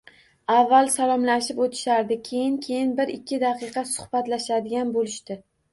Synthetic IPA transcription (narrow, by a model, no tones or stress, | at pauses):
avːalˠsalˠɒmlaʃɪpot̪ʰɪ̥ʃaɾd̪ɪkʲʰe̞jɪŋkʲʰe̞jɪnbɪɾɪkʲʰːɪd̪aqʰɨqʰɑsʊ̥hbat̪laʃad̪ɪɡʲanbolɪʃt̪ɪ